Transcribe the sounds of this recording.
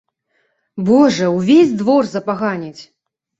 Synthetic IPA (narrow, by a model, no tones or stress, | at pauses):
bɔʐɐwvʲezʲd̪vɔrzɐpaɣanʲit͡sʲ